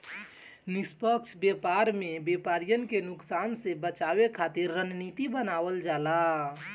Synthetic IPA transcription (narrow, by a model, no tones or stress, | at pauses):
nispəkt͡ʃʰbepaɾmebepaɾijənkenuksansẽbət͡ʃabekʰat̪iɾːənnit̪ibənabəld͡ʒala